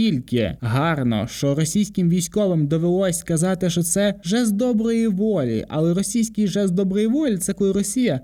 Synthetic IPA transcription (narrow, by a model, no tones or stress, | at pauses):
ilʲkɪ̰ɦɑrnɔ̰ʃt͡ʃɔɾɔsʲijsʲkɪmʋʲijsʲkɔʋɪmd̪ɔʋelˠɔsʲkɐzɑt̪ɪʃt͡ʃɔt̪sɛʒɛzd̪ɔbɾɔjiʋɔlʲḭʔɐ̰lˠɛɾɔsʲijsʲkʲijʒɛzd̪ɔbɾɪjiʋɔlʲt̪sɛkɔjʊɾɔsʲijɐ